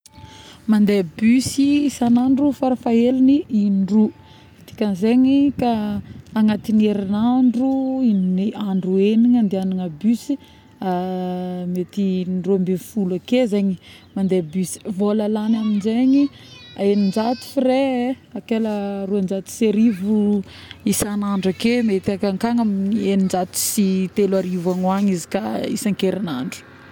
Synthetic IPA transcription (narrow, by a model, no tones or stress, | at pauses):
mand̪ebysisanaɳɖ͡ʐufaɾafaeliniiɖ͡ʐu | t̪i̥kʲənzeɲikaː | ŋat̪ineɾinaɳɖ͡ʐuinniaɳɖ͡ʐueniɲand̪eanaŋəbysi | a | met̪inɖ͡ʐuambefulakezeɲi | mand̪ebysi̥volalanaminzeɲi | aenind͡ʒat̪u̥fiɾe | akeləruand͡ʒat̪u̥seɾivu | isanaɳɖ͡ʐakemet̪akaŋkaŋamienind͡ʒat̪u̥sit̪elaɾivaŋwaɲizi̥kaḭsaŋkeɾinaɳɖ͡ʐu̥